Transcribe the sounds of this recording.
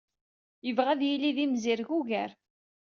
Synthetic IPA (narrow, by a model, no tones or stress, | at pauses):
jəvʁæðjiliðimziɾʝuʝæɾ